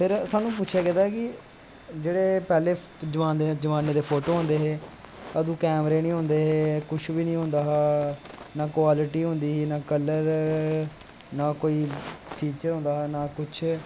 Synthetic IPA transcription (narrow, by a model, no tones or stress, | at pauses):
pʰɪɾsaːnũːp̬ʊtːt͡ʃʰɛːkɪt̪aːɛːkɪ | d͡ʒeːɽeːpɛːleːd͡ʒəʋaːnd̪ed͡ʒəʋaːneːd̪eːpʰoːʈoːɦõnd̪eːɦeː | əd̪ũːkɛːmɾeːnĩːɦʊ̃nd̪eːɦeːkʊt͡ʃʰbiːnĩːɦʊ̃nd̪aːɦː | naːkwaːlɪʈiːɦʊ̃nd̪iːɦːnaːkələɾ | naːkoːiːpʰiːt͡ʃəɾɦõːnd̪aːɦːnaːkʊt͡ʃʰ